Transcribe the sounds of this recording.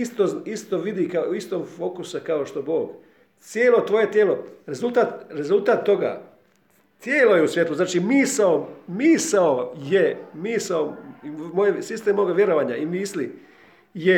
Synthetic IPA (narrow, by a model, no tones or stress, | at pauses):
ist̪oist̪oʋid̪ikaist̪oːmfo̞ːkusakao̞ʃt̪obo̞ːɡ | t̪sjeːlo̞t̪ʋo̞jet̪jeːlo̞ɾe̞zulˠt̪aːt̪ɾe̞zulˠt̪aːt̪ːo̞ɡa̰ː | t̪jeːlo̞jeusʋje̞t̪luznaːt͡ʃimiːsaomiːsaojemiːsaoimojesist̪emoɡaʋje̞ɾoʋaːɲaimisli | je